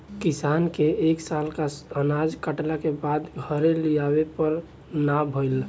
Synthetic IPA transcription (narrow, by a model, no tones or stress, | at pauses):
kisankeeksalkaənad͡ʒkəʈlakebad̪ɡʱəɾelijabepəɾ | nabʱəɪl